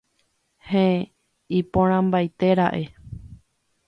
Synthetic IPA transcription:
hẽ | ipõɾ̃ãmbajt̪e̞ɾaʔe̞

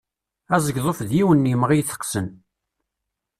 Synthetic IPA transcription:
æzˤəɡðˤofðjiwənːiməʁijθə̥qːsən

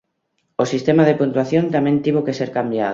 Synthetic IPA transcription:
osist̪emaðepunt̪waθjõnt̪amɛ̃nt̪iβokeseɾkambja̰ð

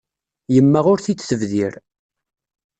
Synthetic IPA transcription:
jəmːæʁʊɾθit͡sːθəvðiɾ

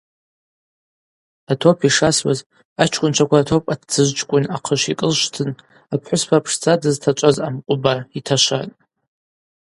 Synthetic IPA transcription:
atʰopʰiʂaswa̰z | at͡ʃʰkʷʼʊnt͡ʃʷʰakʷaːtʰo̞pʼatʰt͡sʰɨʒʷt͡ʃʰʼkʷʼʊnaqʰəʃikʼəlʃtʰɨn | apʰħʷʊspʰaːpʰʂt͡sʰʼadɨztʰat͡ʃʷʼazamqʷʼʊbaitʰaʃʷa̰tʼ

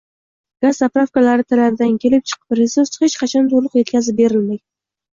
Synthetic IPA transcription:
ɡ̥azːapɾafkalaɾɪt̪ʰalaɾɪd̪aŋkʲʰe̞lɪp̚t͡ʃʰɨ̥qpɾesuɾshet͡ʃqʰɑt͡ʃʰɑnt̪ʰoɾlˠʊqje̞t̪kʲazɪp̚be̞ɾɪlmaj̪

